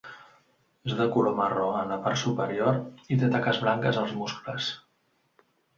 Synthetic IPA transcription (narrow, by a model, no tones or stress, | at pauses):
ezðəkuloməroənləpaɾt̪supəɾioɾit̪et̪akəzβlaŋkəzəlˠzmuskləs